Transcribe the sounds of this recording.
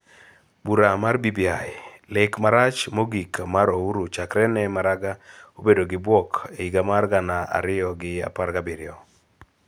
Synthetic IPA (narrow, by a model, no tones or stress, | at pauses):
buɾamarbibialɪkmaɾat͡ʃmoɡikamaɾouɾut͡ʃakɾɛnɛmaɾaɡaobedoɡɪbwɔkʰeiɡamarɡanaa̰ɾɪjɔɡɪa̰paɾɡabiɾɪɔ